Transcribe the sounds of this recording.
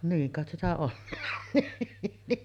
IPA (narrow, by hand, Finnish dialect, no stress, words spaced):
niːŋ kɑˑet sitæ olːɑɑ̥n̥ niː